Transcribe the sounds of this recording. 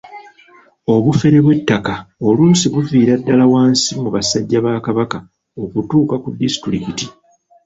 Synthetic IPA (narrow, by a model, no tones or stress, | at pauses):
o̞βufe̞ɾe̞βwe̞tːakao̞luːnsiβuviːɾadːalawaːnsimuβasaɟːaβaːkaβaka | o̞kutuːkakudːisi̥tɾikiti